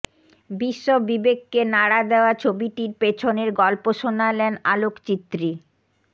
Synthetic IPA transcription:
biʃːobibekːenaɽad̪eoat͡ɕʰobiʈiɾpet͡ɕʰoneɾɡɔlpoʃonalɛna̰lokt͡ɕit̪ːɾi

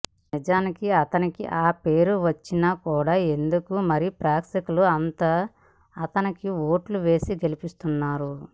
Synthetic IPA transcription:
nid͡ʒaːnikiɐt̪ɐnikḭʔaːpe̞ːɾuʋɐt͡ʃːinakuːɽaːe̞nd̪ukumɐɾipɾaːksikluɐnt̪aː | t̪ɐnikiʋo̞ːʈluʋe̞ːsiɡe̞lipist̪unːaːɾu

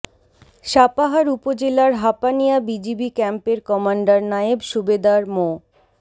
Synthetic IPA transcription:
ʃapaɦaɾupod͡ʑelaɾɦapanijabid͡ʑibikɛmpeɾkɔmaɳɖaɾnaebʃubed̪aɾmo

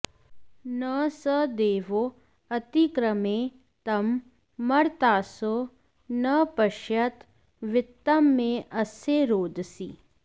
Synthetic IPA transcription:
nəsəd̪eːʋo | ɐt̪ikɾəmẽ | t̪ɐmː | ɐɾt̪aːso | nɐpɐʃjɐt̪ | ʋɪt̪ːɐmːẽɐseːɾoːd̪sḭː

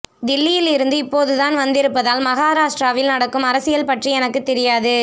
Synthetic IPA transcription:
d̪ɪlːɪjɪlɪɾɯnd̪ɯɪpːoːðɯðaːnʋɐnd̪ɪɾɯpːɐðaːlmɐɣaːɾaːʂʈɾaːʋɪlnɐɽɐkːɯmɐɾɐsɪjɐlpɐʈriɛnɐkːɯt̪ːɛɾɪjaːðɯ

